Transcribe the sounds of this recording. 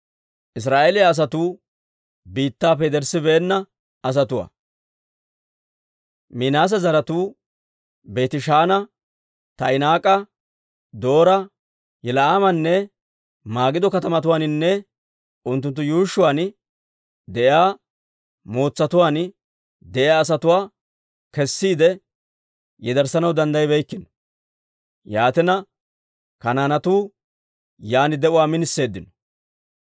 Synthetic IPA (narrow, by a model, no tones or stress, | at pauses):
ʔɪs̬ɾaːʔeːlɪjaːs̬ɐt̪uː | biːt̪ːaːp̬ːɛd̪ɛɾsɪbeːnːɐ | ɐs̬ɐt̪ʊwa̰ː | mɪnaːs̬ɐzɐɾɐt̪uː | be̞ːt̪ɪʃaːnɐ | t̪ɐjnaːkʼɐ | d̪o̞ːɾɐ | jɛlɐaːmɐnːɛ | maːɡɪd̪ɔkɐt̪ɐmɐt̪ʊwaːnɪnːɛ | ʊnt̪ːʊnt̪ːʊjuːʃːʊwaːn | d̪ɛʔjaː | mo̞ːt͡sːɐt̪ʊwaːn | d̪ɛʔɪaːs̬ɐt̪ʊwaː | kɛsːiːd̪ɛ | jɛd̪ɐɾsɐnɐwd̪ɐnd̪ɐjbɛjkːɪnɔ̥ | jaːt̪ɪnɐ | kɐnaːnɐt̪uː | jaːnɪd̪ɛʔʊwaːmɪnɪsːe̞ːd̪ːɪnɔ̥